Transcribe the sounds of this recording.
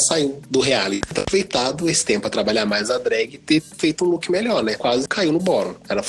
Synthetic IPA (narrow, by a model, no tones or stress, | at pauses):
saiwd̪ʊɦealit̪a̰pɾovejt̪ad̪ʊesɪ̥t̪ẽmpʊɐt̪ɾabaʎaɾmajzad̪ɾɛɡɪt̪efejt̪ʊũlukɪmeʎɔɾnɛkwazɪkʰaiwnʊbɔɾʊ̃ɛɾɐf